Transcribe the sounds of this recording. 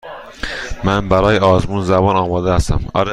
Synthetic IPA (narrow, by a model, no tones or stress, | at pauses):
mænbæɾɒːjeɒːzmuːnzæbɒːnɒːmɒːd̪ehæst̪æ̰mɒ̰ɾ